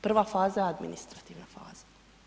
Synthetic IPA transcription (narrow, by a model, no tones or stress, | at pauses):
pr̩ʋafaːzaad̪mḭnist̪ɾat̪iːʋnafa̰ːz̥ḁ